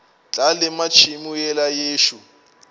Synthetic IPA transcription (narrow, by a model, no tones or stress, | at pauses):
t͡ɬʼalɪmat͡ʃʰimujɛlajeːʃu